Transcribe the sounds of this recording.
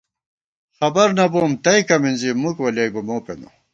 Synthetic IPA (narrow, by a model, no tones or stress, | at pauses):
xɐbɐɾnɐboːmt̪ɐjkɐminzimukwɐlɐjbɐmoːpḛnṵ